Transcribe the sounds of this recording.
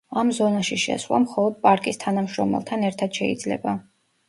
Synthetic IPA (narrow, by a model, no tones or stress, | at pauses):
amzɔnaʃiʃɛ̰sɾwa̰mχɔlˠɔd̪̚pʼaɾkʼist̪ʰanamʃɾɔmɛ̰lˠt̪ʰanɛɾt̪ʰad̪̥ʃɛid̪zlɛ̰ba